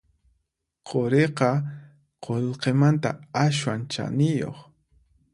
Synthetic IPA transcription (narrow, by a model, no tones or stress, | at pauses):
qʰoɾeqɑ | qʰoʎqemant̪a̰aswant͡ʃa̰nɪjo̰χ